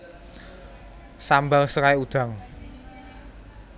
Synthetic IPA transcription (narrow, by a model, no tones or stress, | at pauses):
sambaŋsəkaeud̪̥a̤ŋ